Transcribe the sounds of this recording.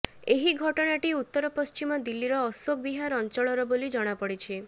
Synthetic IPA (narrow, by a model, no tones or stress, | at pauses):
eɦiɡʱɔʈɔɽ̃aʈiut̪ːɔɾɔpɔst͡ʃimɔd̪ilːiɾɔːsok̚biɦaɾɔnt͡ʃɔɭɔɾɔbolid͡ʒɔɽ̃apɔɽit͡ʃʰi